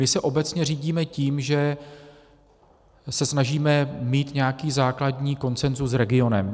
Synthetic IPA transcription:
mɪsɛʔo̞bɛt͡sɲɛriːɟiːmɛciːmʒɛ | sɛsnaʒiːmɛmiːt̪ɲɛjakiːzaːkladɲiːko̞nt͡sɛnzusɾɛɡɪo̞nɛm

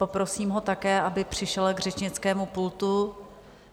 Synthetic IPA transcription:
po̞pɾo̞siːmɦo̞t̪akɛːʔabɪpr̝̥ɪʃɛlɡrɛt͡ʃɲɪt͡skɛːmupult̪u

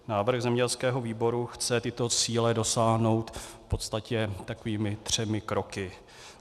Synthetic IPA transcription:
naːvr̩ɣzɛmɲɛɟɛlskɛːɦo̞viːbo̞ɾuxt͡sɛt̪ɪt̪o̞t͡siːlɛdo̞saːɦno̞wt̪po̞t̪st̪acɛt̪akoviːmɪt̪r̝̥ɛmɪkɾo̞kɪ

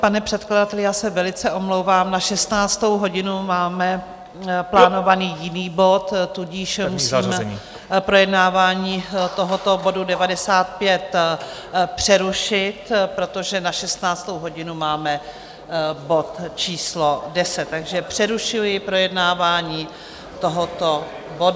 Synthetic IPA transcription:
panɛpr̝̥ɛt̪kladat̪ɛlɪjaːsɛvɛlɪt͡sɛʔo̞mlowvaːmnaʃɛst̪naːt͡st̪o̞wɦo̞ɟɪnumaːmɛ | plaːno̞vaniːjɪniːbo̞t̪ːuɟɪʃmusːmɲ | pɾo̞jɛdnaːvaːɲiːt̪o̞ɦot̪o̞bo̞dudɛvadɛsaːt̪̚pjɛt̪ | pr̝̥ɛɾuʃɪt̪pɾo̞t̪o̞ʒɛnaʃɛst̪naːt͡st̪owɦo̞ɟɪnumaːmɛ | bo̞t̪t͡ʃiːslo̞dɛsɛt̪ːaɡʒɛpr̝̥ɛɾuʃɪlɪpɾo̞jɛdnaːvaːɲiː | t̪oɦot̪o | bod

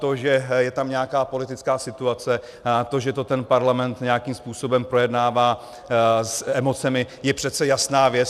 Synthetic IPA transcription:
t̪oʒɛjɛt̪amɲɛakaːpo̞lɪt̪ɪt͡skaːsɪt̪uat͡sɛ | t̪o̞ʒɛt̪o̞t̪ɛnpaɾlamɛnt̪ɲɛakimspuːso̞bɛmpɾo̞jɛdnaːvaː | sɛmo̞t͡sɛmɪ | jɛpr̝̥ɛt̪t͡sɛjasnaːvjɛt͡s

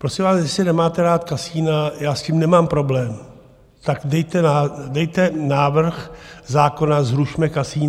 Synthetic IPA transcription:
pɾo̞sɪmvaːsjɛsɪnɛmaːt̪ɛɾaːt̪kasiːnajaːscimnɛmaːmpɾo̞blɛːm | t̪akdɛjt̪ɛnadɛjt̪ɛnaːvr̩xzaːko̞nazɾuʃmɛkasiːn

